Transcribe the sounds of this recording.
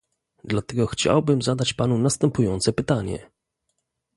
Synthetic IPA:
d̪lat̪ɛɡɔxt͡ɕa̰wbɘmzad̪at͡ɕpanunast̪ɛmpujɔnt̪sɛpɘt̪aɲɛ̰

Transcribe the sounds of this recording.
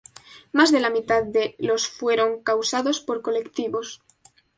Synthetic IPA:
mazðe̞lamit̪aðdelo̞sfwe̞ɾo̞ŋkawsaðo̞spo̞ɾko̞le̞kt̪iβo̞s

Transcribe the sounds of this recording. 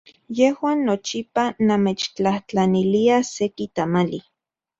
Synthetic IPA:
jehwaːnːot͡ʃipanameːt͡ʃt͡ɬaht͡ɬaniliasekit̪amali

